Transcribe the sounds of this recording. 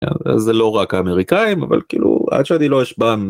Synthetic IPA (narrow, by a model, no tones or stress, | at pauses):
a̰a̰zːelo̞ʁakaːmeʁikaimava̰lkḭːlṵa̰d̪ʃeanilo̞jeʃban